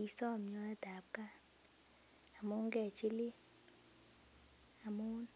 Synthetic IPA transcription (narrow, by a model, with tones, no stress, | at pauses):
i˨sɔ˦˨m˨ɲɔ˦a˦d̥ʱa˨p̚kʼa˦ | a˨mu˦ŋɡɛ˨t͡ʃʼi˦li˦ | a˨muː˦n